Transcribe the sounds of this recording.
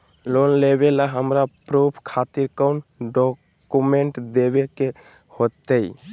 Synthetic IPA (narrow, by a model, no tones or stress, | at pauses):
lonlebelaɦəmɾapɾubʰʱkʰat̪iɾkənɖɔ | kumẽɳʈd̪ebeke | hot̪ːəi